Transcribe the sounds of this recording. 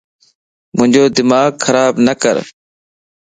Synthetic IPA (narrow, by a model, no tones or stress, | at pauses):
mʊ̃ɦɪ̃ɲd͡ʒoːd̪ɪmaːɡxəɾaːbnəkə̰ɾ